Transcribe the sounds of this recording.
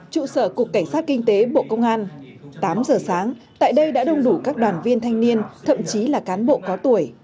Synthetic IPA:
t͡ɕṵ˧˨səː˧˩ku˨˩əkːa˧˩ŋ̟saː˦˥t̚kï˧ŋ̟t̪e˨˦ɓo̰˧˨kə˧wŋ͡mʔaː˧n | t̪aː˨˦mzəː˨˩saː˨˦ŋt̪a̰ː˧˨jɗə˧jɗa̰ː˧˥ɗə˧wŋ͡mɗu˧˩kaː˦˥k̚ɗwaː˨˩nvi˧ənt̪ʰa˧jŋni˧ənt̪ʰə̰˧˨mt͡ɕi˨˦laː˨˩kaː˨˦nɓo̰˧˨kɔ˨˦t̪u˧˩əj

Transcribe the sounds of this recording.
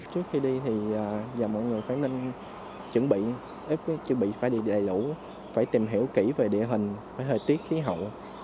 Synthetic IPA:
t͡ɕɨ˦˥ək̚xi˧ɗi˧t̪ʰi˨˩ʔaː˨˩zaː˨˩mɔ̰˧˨jŋɨ˨˩əjfaː˧˩˦nnə˧ŋ | t͡ɕə˧˩˦ŋɓḭ˧˨ | ʔi˦˥˦t͡ɕə˨˧˦ŋɓḭ˧˨faː˧˩jɗi˧˩ɗa̰ː˨˩jlu˧˥˦ | faː˧˩jt̪i˨˩mɦi˧˩əwki˧˩ve˨˩ɗḭ˧˨əɦï˨˩ŋ̟faː˧˩jɦəː˨˩t̪i˦˥t̚xi˨˦ɦə̰˧˨w

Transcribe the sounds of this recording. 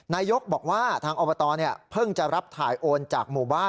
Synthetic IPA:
naː˧jo˦˥k̚bɔː˨˩k̚waː˥˩t̪ʰaː˧ŋʔoː˧bɔ˧t̪ɔː˧ni˥˩ɐpʰɤ˥˩ŋt͡ɕa˨˩ɾa˦˥p̚t̪ʰaː˩˦jʔoː˧nt͡ɕaː˨˩k̚muː˨˩baː˥˩

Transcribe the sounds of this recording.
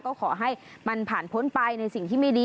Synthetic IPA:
kɔː˥˩kʰɔː˩˦ɦa˥˩jma˧npʰaː˨˩npʰo˦˥npa˧jna˧jsi˨˩ŋt̪ʰiː˥˩ma˥˩jdiː˧

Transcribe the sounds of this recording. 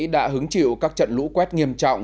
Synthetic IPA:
ɗa̰ː˧˥ɦɨ˨˦ŋt͡ɕḭ˧˨wkaː˦˥k̚t͡ɕə̰˧˨nlṵ˧˥kwɛ˦˥t̚ŋi˧˩əmt͡ɕɔ̰˧˨wŋ͡m

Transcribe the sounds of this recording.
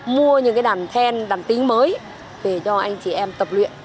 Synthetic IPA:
mu˧əɲɨ̰˧˥ŋkaː˨˦jɗaː˧˩nt̪ʰɛ˧nɗaː˨˩nt̪ï˨˦ŋməː˨˦j | ke˧˩t͡ɕɔ˧ʔa˧jŋ̟t͡ɕi˧˩ʔɛ˧mt̪ə˨˩p̚lwḭ˧˨ən

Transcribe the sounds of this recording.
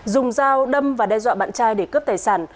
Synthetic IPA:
zʊ˨˩ŋ͡mzaː˧wɗə˧mvaː˨˩ɗɛ˧zwa̰ː˧˨ɓa̰ː˧˨nt͡ɕaː˧jɗe˧˩kə˦˥p̚t̪aː˨˩jsaː˧˩n

